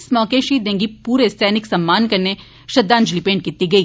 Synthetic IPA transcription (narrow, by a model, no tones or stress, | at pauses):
smɔːkeːʃid̪ẽːŋɡipuːɾest̪ʰɛːnɪksɐmːaːnkɐɾne | ʃɐd̪ːaːnd͡ʒlipẽːɳʈ̚kiːt̪iɡɐiː